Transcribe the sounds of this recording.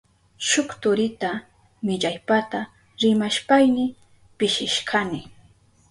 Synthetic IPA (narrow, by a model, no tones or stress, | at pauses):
ʃʊkt̪ʊɾɪt̪a | mɪʎajpat̪a | ɾɪmaʃpajnɪ | pɪʃɪʃkʰanɪ